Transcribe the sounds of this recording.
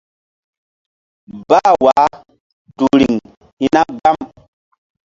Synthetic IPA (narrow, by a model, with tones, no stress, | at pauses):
ba˦˨wa˨˦ | du˨ɾi˨ŋ | hi˦na˦ɡa˦m